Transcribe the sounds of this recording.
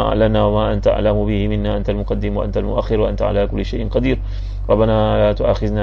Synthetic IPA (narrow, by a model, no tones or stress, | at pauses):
aːʔa̰ʕlamnaːwamaːʔant̪ʔa̰ʕlamʊbɪhɪmɪnːaːʔant̪almʊqɑd̪ːɪmwaʔa̰nt̪almʊʔaxːɪɾwaʔant̪aʕa̰laːkʊlːɪʃajʔɪnqɑd̪iːɾ | ɾˤɑbːanaːlaːt̪ʊʔa̰ːxɪðnaː